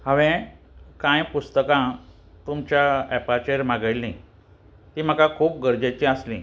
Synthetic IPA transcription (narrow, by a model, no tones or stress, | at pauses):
haʋẽ | kãjpust̪əkã | t̪umt͡ɕjaɛpat͡ɕeɾmaɡəlːĩ | t̪iːm̤əkakʰuːp̚ɡəɾd͡ʑat͡ɕiəslĩ